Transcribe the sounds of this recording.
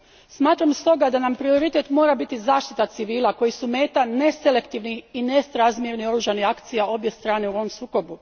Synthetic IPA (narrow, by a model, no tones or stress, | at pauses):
smaːt̪ɾamst̪o̞ɡad̪anampɾio̞ɾit̪e̞t̪mo̞ːɾabit̪izaːʃt̪i̥t̪at̪siʋiːlako̞jisume̞ːt̪ane̞sele̞kt̪iʋniinesɾazmjeɾnio̞ɾuʒanihakt̪sijao̞bje̞st̪ɾaːne̞uoʋomsuːko̞bu